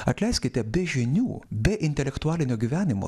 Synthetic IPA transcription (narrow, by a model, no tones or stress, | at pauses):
ɐt̪ʲlʲɛɪsʲkʲɪt̪ʲɛbʲɛʒʲɪnʲuːbʲɛʔɪnʲt̪ʲɛlʲɛkt̪ʊɑːlʲɪnʲoːɡʲiːʋʲæːnʲɪmo̰